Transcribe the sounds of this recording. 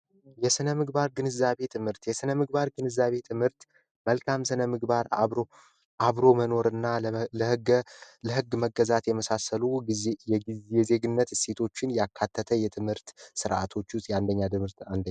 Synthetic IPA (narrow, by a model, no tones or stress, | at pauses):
jɛsɨnəmɨɡbaɾɡɨnɨzːaβe̞t̪ʰɨmhɨɾt̪jɛsɨnəmɨɡbaɾɡɨnɨzːaβe̞t̪ʰɨmhɨɾt̪ | məlkʰamsɨnəmɨɡbaɾa̰βɾo | ʔaβɾo̞məno̞ɾɨnːa | ləhɨɡməɡːəzat̪jɛməsasəluiejɛijɛze̞ɡɨnːət̪se̞t̪ʰo̞t͡ʃːɪnjakʰːat̪ʰːət̪ʰəjɛt̪ʰɨmhɨɾt̪sɨɾʔa̰t̪ʰo̞t͡ʃːʊst̪jand̪əɲːat̪ɨmhɨɾt̪and̪əa